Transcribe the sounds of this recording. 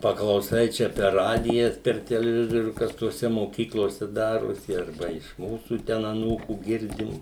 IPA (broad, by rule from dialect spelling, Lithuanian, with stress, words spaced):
pɐklˠɐʊˈsɐɪ ˈt͡ʃʲɛ pʲɛr ˈrɑːdʲɪjɛs pʲɛr tʲɛlʲɛˈʋʲɪzoːrʲuː ˈkɐs toːˈsʲɛ moːˈkʲiːklˠoːsʲɛ ˈdɑːroːsʲɪ ɐrˈbɐ ɪʃ ˈmuːsuː ˈtʲɛn ɐˈnuːkuː ˈɡʲɪrʲdʲɪm